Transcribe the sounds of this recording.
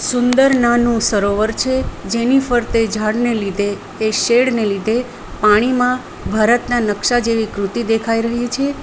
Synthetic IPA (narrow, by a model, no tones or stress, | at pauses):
sʊnd̪əɾnanũsəɾoʋəɾt͡ʃʰed͡ʒenifəɾt̪ed͡ʒʱaɽnelid̪ʱeː | ʃeɽnelid̪ʱe | paɽ̃imã | bʱaɾət̪nanəkʃad͡ʒeʋikɾut̪id̪ekʰaiɾəɦit͡ʃʰe